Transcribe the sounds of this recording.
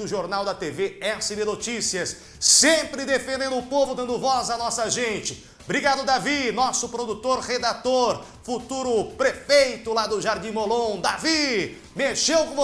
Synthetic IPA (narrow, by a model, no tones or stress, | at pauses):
d̪ʊʒoɾnawd̪ɐt̪eveɛsɪbenot͡ʃisiɐs | sẽpɾɪd̪efẽnd̪ẽnd̪ʊʊpovʊd̪ɐ̃nd̪ʊvɔzɐnɔsɐʒẽt͡ʃɪ | bɾiɡad̪ʊd̪avinɔsʊpɾod̪ut̪oɾʁed̪at̪oɾ | fut̪uɾʊpɾefejt̪ʊlad̪ʊʒaɾd͡ʒĩmolõd̪avi | meʃewkõ